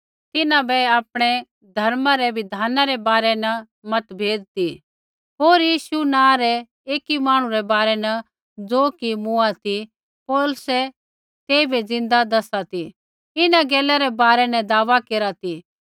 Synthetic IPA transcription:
t̪ɪnãbɛaːpɽ̃ɛ | d̪ʱɐɾmãɾɛbɪd̪ʱaːnaɾɛbaːɾɛnɐ | mɐt̪bʱeːd͡zt̪i | ɦoːɾjiːʃunãːɾɛ | eːkimaːɽ̃ũɾɛbaːɾɛnɐ | d͡zoːkimʊat̪i | pɔːlʊsɛ | t̪eːbɛd͡zɪ̃nd̪ad̪ɐsat̪i | ɪnãɡɛːlɛɾɛbaːɾɛnɛ̃d̪aːʋakeːɾat̪i

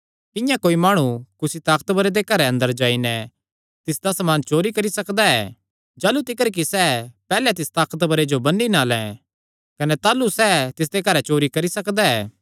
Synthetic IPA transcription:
k̪ɪ̃jãkoːimaːɽ̃ukʊsit̪aːkə̥t̪bɐɾed̪ekɐɾɛɐ̃nd̪əɾd͡ʒaːinɛ | t̪ɪsd̪asɐmaːnt͡ʃoːɾikɐɾisɐkd̪aɛː | d͡ʒaːlut̪ɪkəɾk̬isɛːpɛːlɛt̪ɪst̪aːkət̪bɐɾed͡ʒobɐnːinaːlɛ̰̃ | kɐnɛt̪aːlusɛːt̪ɪs̬d̪ekɐɾɛt͡ʃoːɾikɐɾisɐkd̪aɛ̰ː

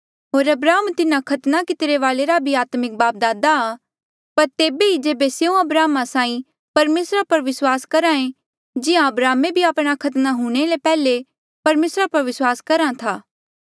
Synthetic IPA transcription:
ɦoːɾɐbɾaːɦəmt̪ɪnãkʰɐt̪nakɪt̪ɾeʋaːleɾabʱiaːt̪mɪk̚baːp̚d̪aːd̪aː | pɐɾt̪eːbeid͡ʒeːbeseũɐbɾaːmasãːĩ | pɐɾmeːsɾapɐɾʋɪswaːskɐɾãẽ | d͡ʒɪãɐbɾaːmebʱiaːpɽ̃akʰɐt̪naɦũɽ̃elepɛːle | pɐɾmeːsɾapɐɾʋɪswaːskɐɾãt̪ʰaː

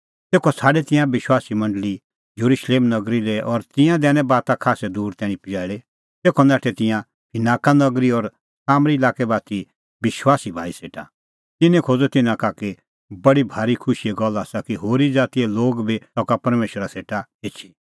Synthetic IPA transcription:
t̪eːkʰɔsʰaːɖɛt̪ɪ̃jãbɪʃwaːsimɐ̃ɳɖəli | jɐɾuʃleːmnɐɡɾilɛʔɔɾt̪ɪ̃jãd̪ɛːñɛ̃baːt̪ãkʰaːsɛd̪uːɾt̪ɛːɽ̃ĩpijaːɪɽe | t̪eːkʰɔnaːʈʰɛt̪ɪ̃jã | pʰɪnaːkanɐɡɾiɔɾ | saːmɾiɪlaːkɛbaːt̪i | bɪʃwaːsibʱaːiseːʈa̰ | t̪ɪnɛ̃kʰoːd͡zɔt̪ɪnãkake | bɐɽibʱaːɾikʰʊʃiɛɡɔlːaːsakiɦoːɾid͡zaːt̪iɛloːɡbit̪ɔkapɐɾmeːʃəɾaseːʈaeːt͡ʃʰi̥

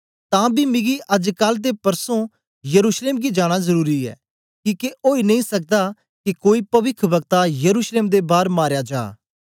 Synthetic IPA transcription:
t̪ãːbʱiːmɪ̃ɡiʔɐd͡ʒkəld̪̬epɐɾsõ | jəɾuːʃleːmɡid͡ʒaːɽ̃azɐɾuːɾiɛ̰ː | kiːkeʔoːinɐ̃ĩsɐk̚d̪aː | kikoːipɐʋɪkʰbəɡt̪ajəɾuːʃleːmd̪ebaːɾmaːɾjaːd͡ʒa̰ː

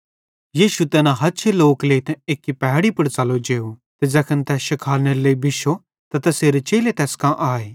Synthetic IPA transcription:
jiːʃut̪ɛːnãɦɐtːʃʰeloːkleːt̪ɛ̃eːkːipɛɦɽipɐɽt͡ʃɐlod͡ʒeːut̪ed͡ʒɐkʰənt̪ɛːsʃɪkʰaːlneɾleibɪʃo | t̪ɐt̪ɐseːɾet͡ʃeːlet̪ɛːskãʔaːeː

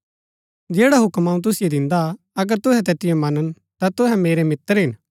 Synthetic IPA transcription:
d͡ʒeːɽaɦʊkmaːũt̪̬ʊsɪjed̪ɪ̃nd̪a | ɐɡəɾt̪ʊɦɛt̪̬ɛːt̪ɪjõmɐnən | t̪at̪ʊɦɛmeːɾemɪt̪ːəɾɦɪn

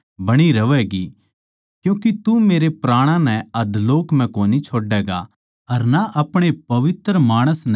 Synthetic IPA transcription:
bɐɽ̃iɾɐʋɛːɡi | kjũːkit̪umeːɾepɾaːɽ̃ãnɛ̃ɐd̪loːkm̤ɛ̃koːnit͡ʃʰoːɖɛːɡa̰ | ɐɾnaʔɐpɽ̃epɐʋɪt̪ɾəmaːɽ̃əsn

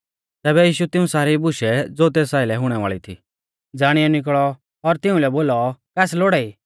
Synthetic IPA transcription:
t̪ɛːbɛjiːʃut̪ɪũsaːɾibʊʃɛd͡zoːt̪̬eːsaːɪlɛɦʊɽ̃ɛʋa̰ːɭit̪ʰḭː | d͡zaːɽ̃iɛnɪk̬ɭɔ | ɔɾt̪ɪũlɛboːlɔkɛːsloːɽai

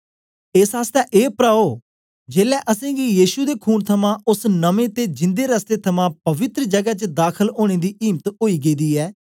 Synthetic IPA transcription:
ɪsɦaːst̪ɛːʔeːpɾaːoː | d͡ʒeːlɛːʔəsẽːɡiːjiːʃud̪eːkʰuːnt̪ʰəmãːʔʊsnəmẽːt̪eːd͡ʒɪ̃nd̪eːɾəst̪eːt̪ʰəmãːpəʋɪt̪ɾəd͡ʒəɡaːt͡ʃəd̪aːkʰəloːɽ̃eːd̪iːʔiːmt̪ɦoːiːɡeːd̪iːɛː

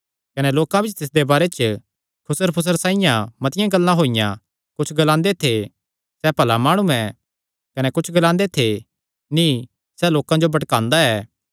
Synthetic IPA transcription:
kɐnɛloːkãbɪt͡ʃʰt̪ɪs̬d̪ebaːɾet͡ʃ | kʰʊsəɾpʰʊs̬əɾsãːɪjãmɐt̪ɪjãɡɐlːãɦoːɪjã̰ | kʊt͡ʃʰɡɐlãːnd̪et̪ʰe | sɛpɐlamaːɽ̃ũɛ | kɐnɛkʊt͡ʃʰɡɐlãːnd̪et̪ʰe | nĩ | sɛloːkãd͡ʒobɐʈkãːnd̪aɛː

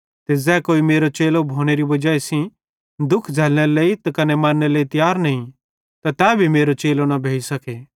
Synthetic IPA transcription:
t̪ezɛːkoːimeːɾot͡ʃeːlobʱoːɽ̃eɾibɐd͡ʒaːesĩ | d̪ʊkʰd͡zʱɛːlɽ̃eleit̪akɐnemaɾneleːit̪jaːɾnɐĩ | t̪at̪ɛːbʱimeːɾot͡ʃeːlonɐbʱeːisɐke

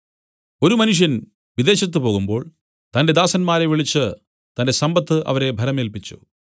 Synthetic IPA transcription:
o̞ɾumɐnuʂ̬jɐn | ʋid̪e̞ːɕɐt̪̬ːɨpo̞ːɣumbo̞ːɭ | t̪ɐnde̞d̪aːsɐnmaːɾeʋiɭit͡ɕːɨ | t̪ɐnde̞sɐmbɐt̪ːɨʔɐ̰ʋɐɾe̞bʱɐɾɐmeːlpit͡ɕːṵ

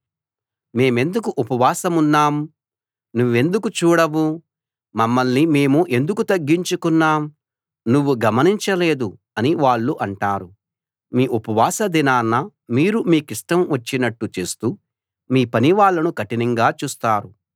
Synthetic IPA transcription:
me̞ːme̞nd̪ukuʔupɐʋaːsɐmunːaːm | nuʋːe̞nd̪ukut͡ʃuːɽɐʋuː | ɐmːɐlnime̞ːmuʔe̞nd̪ukut̪ɐɡːiɲt͡ʃukunːaːm | nuʋːuɡɐmɐniɲt͡ʃɐle̞ːd̪u | ɐniʋaːɭːuʔɐɳʈaːɾu | miːʔupɐʋaːsɐd̪inaːnːɐ | miːɾumiːkiʂʈɐmʋɐt͡ʃːinɐʈːut͡ʃe̞ːst̪uː | miːpɐniʋaːɭːɐnukɐʈinɐŋɡaːt͡ʃuːst̪aːɾu

